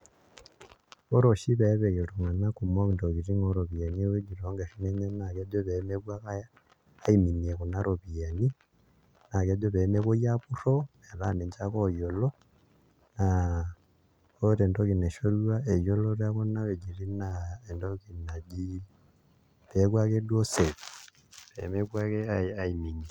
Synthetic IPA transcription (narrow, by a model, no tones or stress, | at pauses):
oɾoʃiβeβejiloŋanakumoβindokiɾiŋoɾoβianiweɟiɾoŋɡeʃineɲenakedoβemeβwakajaː | iminiekunaɾoβijani | nakedoβemeβojaβuɾo | elaneɲt͡ʃakojolo | na | oteːndokineʃoluwaejoloɾakonaβeɟirinaendokinaɟi | βekwakedwose | βḛmekwakeaaimini